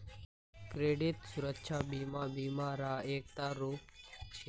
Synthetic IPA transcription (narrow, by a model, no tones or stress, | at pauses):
kɾeːɖit̪sʊɾəkʃʰaːbiːmaːbiːmaːɾaːeːk̚t̪aːɾuːpt͡ʃʰ